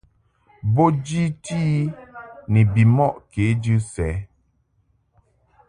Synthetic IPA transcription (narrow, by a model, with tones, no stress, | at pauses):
bo˦d͡ʒi˦ti˦ni˨bi˨mɔ˦ʔke˨˦d͡ʒɨ˦sɛ˨˦